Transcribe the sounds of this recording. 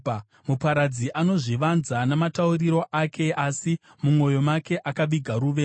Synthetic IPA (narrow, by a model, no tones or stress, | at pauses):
mupaɾad͡ziʔano̞ʐiʋanzanamatauriɾo̞ʔakʰe̞ʔasi | mumo̞jo̞make̞ʔakaʋiɡʱaɾuːʋe̞